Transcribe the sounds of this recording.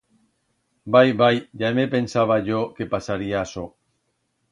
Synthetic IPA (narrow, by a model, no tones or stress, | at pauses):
bajβajʎamepensaβ̞aʝokepasaɾiaːso